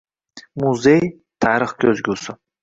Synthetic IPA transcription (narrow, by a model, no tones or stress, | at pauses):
mʊzej | t̪ʰaɾɨχkʲʰɵzɡʲʊsɪ